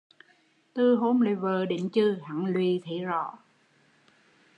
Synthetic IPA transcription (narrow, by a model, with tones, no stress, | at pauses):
t̪ɨ˧˩ɦo˧mlḭ˨vəː˨˩ɗi˧˨˦ŋt͡ɕɨ˧ha̰˧˩˨ŋlwi˨t̪ʰi˧˨˦zɔ̰˧˩˦